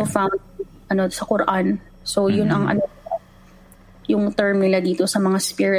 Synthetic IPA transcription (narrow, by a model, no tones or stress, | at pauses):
sofam | ʔɐnosɐkʊɾɐʔan | so̞jʊnɐŋʔɐ̰no | jʊŋt̪ɛɹmɪlɐd̪iːt̪o̞sɐmɐŋaspiɹɪ